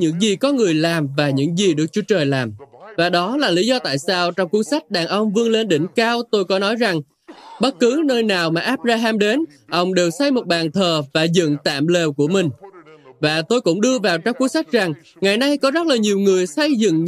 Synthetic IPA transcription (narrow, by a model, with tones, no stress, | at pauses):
ɲɨ̰˧˥ŋzi˨˩kɔ˨˦ŋɨ˨˩əjlaː˨˩mvaː˨˩ɲɨ̰˧˥ŋzi˨˩ɗɨ˨˩ək̚t͡ɕu˨˦ət͡ɕəː˨˩jlaː˨˩mvaː˨˩ɗɔ˨˦laː˨˩li˨˦zɔ˧t̪a̰ː˧˨jsaː˧wt͡ɕɔ˧wŋ͡mku˧˦əŋsa˦˥jk̟̚ɗaː˨˩ŋʔə˧wŋ͡mvɨ˧əŋle˧nɗï˧˩ŋ̟kaː˧wt̪o˧jkɔ˨˦nɔ˨˦jza˨˩ŋ | ɓə˦˥t̚kɨ˨˦nəː˧jnaː˨˩wmaː˨˩ʔaː˦˥p̚zaː˧ɦaː˧mɗe˨˦n | ʔə˧wŋ͡mɗe˨˩wsa˧jmo˨˩t̚ɓaː˨˩nt̪ʰəː˨˩vaː˨˩zɨ̰˧˨ŋt̪a̰ː˧˨mle˨˩wku˧˩əmï˨˩ŋ̟vaː˨˩t̪o˧jkʊ̰˧˥ŋ͡mɗɨ˧əvaː˨˩wt͡ɕɔ˧wŋ͡mku˦əŋsa˦˥jk̟̚za˨˩ŋ | ŋa˨˩jna˧jkɔ˨˦zə˦˥t̚laː˨˩ɲi˨˩əwŋɨ˨˩əjsə˧jzɨ̰˧˨ŋ